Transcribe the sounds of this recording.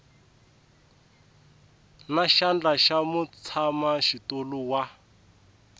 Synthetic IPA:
naʃand͡ɮaʃamut͡sʰamaʃitoluwa

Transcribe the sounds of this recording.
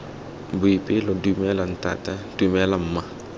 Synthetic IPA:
buipilɔdumɛlanta̰tad̥umɛlamma

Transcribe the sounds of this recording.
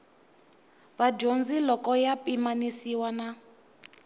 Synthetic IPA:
βad͡ʒond͡zilɔkɔjapimanisiwana

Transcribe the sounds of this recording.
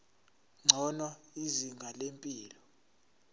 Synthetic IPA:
ŋ͡ǀʱɔnaiziŋɡʱalempʼiːlɔ

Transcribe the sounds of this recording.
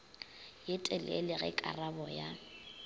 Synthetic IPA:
jɪtʼɛlɛ̰lɪɣɛ̰kʼa̰rabɔja

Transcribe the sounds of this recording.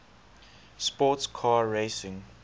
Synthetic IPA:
spɔtskʰaːɹeɪsɪ̃ŋ

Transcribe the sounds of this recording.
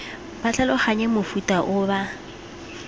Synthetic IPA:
b̥at͡ɬalɔχaɲɛmʊfutʼaʔʊba

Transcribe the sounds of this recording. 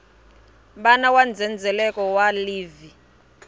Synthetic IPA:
ɓanawand͡zʱɛnd͡zʱɛlɛkɔwaliːvi

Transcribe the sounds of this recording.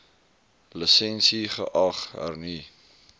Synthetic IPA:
ləsɛnsiχə̰ʔɐχə̰rni

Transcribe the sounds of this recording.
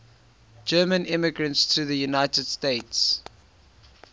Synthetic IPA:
d͡ʒɜːmə̃nɪməɡɹə̃ntsθɹuðəjunaɪtəd̥steɪts

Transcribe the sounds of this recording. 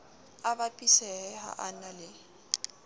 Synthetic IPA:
abapʼisɛha̰ʔanalɪ

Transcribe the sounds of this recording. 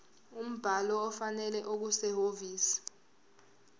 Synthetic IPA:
um̩b̥ʱalɔːfanɛlɛʔok̬usɛhoviːsi̥

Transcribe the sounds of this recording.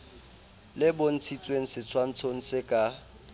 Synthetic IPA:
lɪbon̩t͡sʰit͡sʼweŋ̩sɪt͡sʰwan̩t͡sʰoŋ̩sɪkʼa

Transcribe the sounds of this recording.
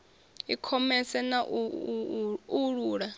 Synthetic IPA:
ikʰɔmɛsɛnaʔu | uɺuːɺa

